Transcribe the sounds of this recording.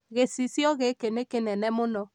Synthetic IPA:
ɣesisjɔɣekenekenɛnɛmʊnɔ

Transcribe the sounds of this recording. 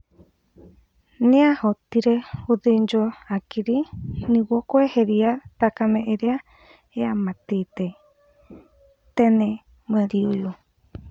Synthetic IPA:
niahot̪iɾehuðind͡ʒoakiɾinĩwokoeheɾiat̪akamẽʔeɾea | eamãt̪it̪e | t̪enẽ | maɾiojo

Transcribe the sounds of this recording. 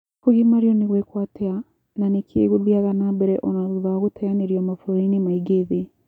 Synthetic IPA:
koɣimaɾiɔniɣwekwatea | nanekʰḛɣuðjaɣanabɛɾɛʔonaðuðaɣotɛjaneɾjɔmafuɾoɾinimaiɡeðe

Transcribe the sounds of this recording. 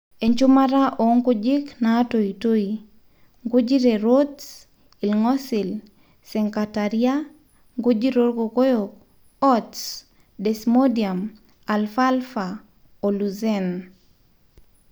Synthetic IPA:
eɲt͡ʃʊmaɾaʔɔŋɡod͡ʒɪknatoitoi | ŋɡʊd͡ʒiɾeɾots | ilŋɔsɪl | sɛŋkataɾia | ŋɡʊd͡ʒiɾoɾkokojok̚ | ɔts | dɛsmodiam | alfalfa | oluzɛn

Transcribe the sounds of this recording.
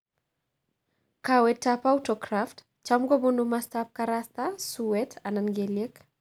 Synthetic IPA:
kawɛtːapautɔkɾaft | t͡ʃamɡobunumast̪ap̚kaɾast̪asuwɛtʰananɡelek

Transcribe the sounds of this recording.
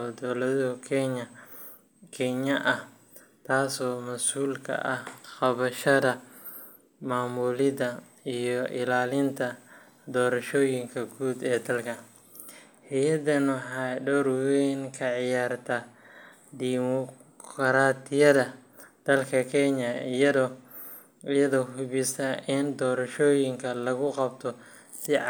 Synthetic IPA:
ɔd̪ɔːlɐðkʰɛɲɐ | kʰɛɲɐʔɐh | t̪ʰaːsɔːmɐsuːlkʰɐ̰ʔɐhqɑβɐʃɐðɐ | maːmulɪðɐ | ijɔʔɪlaːlɪnt̪ʰɐ | d̪ɔːɾɐʃɔːjɪŋkʰɐɡuːd̪ɛːd̪ɐlkʰɐ | ħɛjɐd̪ɐnwɑħɑːɖɔɾwɛːŋkʰɐʕɪjaːrt̪ʰɐ | d̪imɔ | kʰɾaːt̪ʰɪjɐðɐd̪̥ɐlkʰɐkʰɛɲɐ | jɐðɔːhʊβɪsɐʔɪnd̪ɔːɾɐʃɔːjɪŋkʰɐlɐɣʊqɑbt̪ʰɔ | sɪ

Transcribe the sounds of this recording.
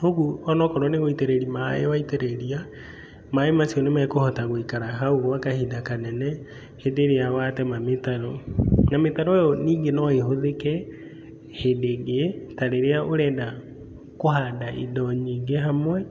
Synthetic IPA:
hoɣuɔnɔkɔɾwɔneɣoiteɾeɾimaḛwaiteɾeɾia | maemasijɔnemɛkohɔtaɣoikaɾaɦaoɣoakahidakanɛnɛ | hedeɾeawatɛmametaɾɔnametaɾoejɔniːŋɡenɔehoðekɛ | hedeɡetaɾeɾeaʔoɾɛːda | kohadaʔḭdɔɲiːŋɡeɦamwɛ

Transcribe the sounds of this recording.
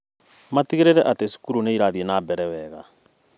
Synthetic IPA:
matiɣeɾeɾɛʔatesu̥kuɾuneiɾaðienaːbɛɾɛwɛɣa̰

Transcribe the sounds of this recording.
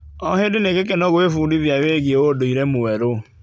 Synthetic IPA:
ɔɦɪdɪnekek̬enɔɣoefudivjaweɡjeodoiɾemuweɾo

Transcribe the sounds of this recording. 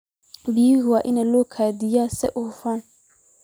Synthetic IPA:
bijiɡwaʔɪnalokʰad̪ijasɛ̰ʔʊfan

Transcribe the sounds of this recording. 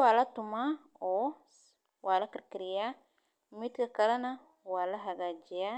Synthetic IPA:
waːlɐt̪ʊma | ɔ | wʔalɐkɪɾkɪɾɪja | mit̪kɐkɐlɐna | waːlɐɦaɡaːd͡ʒɪja

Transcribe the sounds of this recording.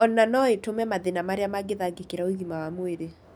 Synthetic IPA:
ɔnanɔetomɛmaðenamaɾeamaɡeðaɡekeɾaoiɣimawamweɾe

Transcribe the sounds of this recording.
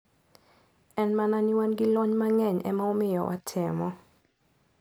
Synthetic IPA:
ɛnmananɪwanɡɪlɔɲmaŋɛɲɛ̰maomɪjɔ̰wʔa̰tʰɪmɔ

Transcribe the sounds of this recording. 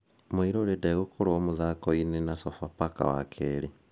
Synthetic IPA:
muiɾoledeɣukʰuɾoomuzakoinenasofapaka̰wa̰kʰeɾi

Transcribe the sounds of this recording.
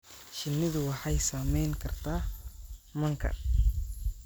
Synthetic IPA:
ʃɪnːɪðʊwɑħɑjsaːmɛjŋkʰɐrt̪ʰaː | mɐŋkʰɐ̰

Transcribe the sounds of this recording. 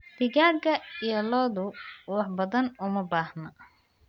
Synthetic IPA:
b̥ɪɣaːrɡɐijɔlɔːðʊwɑħbɐðɐnʊmɐbaːhnɐ

